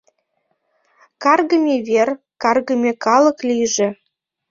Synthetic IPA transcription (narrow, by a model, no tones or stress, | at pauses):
kɑrɣə̆mʲeβʲer | kɑrɣə̆mʲekɑlɤ̆klʲijʒĕ